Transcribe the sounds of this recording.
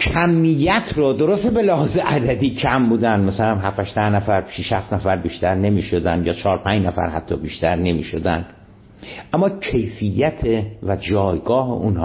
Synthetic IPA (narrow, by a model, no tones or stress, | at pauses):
kʰæmːijːæt̪ʰɾod̪o̞ɾost̪ebelehɒːzeʔæd̪æd̪iːcʰæmbuːd̪ænd̪mæsælæmɦæfæʃd̪æhnæfæɾʃiʃhæft̪næfæɾbiːʃt̪æɾne̞miːʃod̪ænd̪jɒːt͡ʃʰɒːɾpʰæɲd͡ʒnæfæ̰ɾhæ̰t̪ʰːɒːbiːʃt̪æɾne̞mḭːʃod̪ænd̪ | ʔæmːɒːcʰe̞jfijːæt̪ʰevæd͡ʒɒːjɡɒːhḛʔunhː